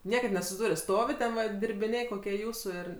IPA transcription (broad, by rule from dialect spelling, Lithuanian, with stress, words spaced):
ˈnʲiɛkɐt nʲɛsʊsʲɪˈduːrʲoː ˈstoːʋʲɪ tʲɛn ʋɐ dʲɪrʲbʲɪˈnʲeː koːˈkʲiɛ ˈjuːsʊ ˈɪr